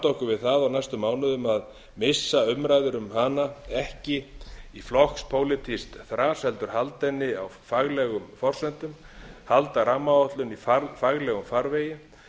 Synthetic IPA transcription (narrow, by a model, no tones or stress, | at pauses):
t̪owhkʏvɪðθaðawnajst̪ʏmːaːwnʏðʏmað | mɪsːaʏmɾajðʏɾʏmhanaɛhcɪiflɔhkspʰoːwlɪt̪ʰist̪θɾaːshɛlt̪ʏɾ̥halt̪ɛnːɪawfaɣlɛɣʏmfɔr̥sɛnt̪ʏm | halt̪aɾamːaɔht̪lʏnifaɾfaɣlɛɣʏmfaɾveːjɪ